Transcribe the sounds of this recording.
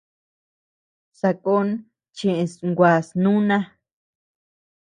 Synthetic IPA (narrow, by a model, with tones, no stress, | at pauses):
sa˧ko˦n | t͡ʃẽ˨ʔẽ˧sŋɡʷa˨snũ˦nã˦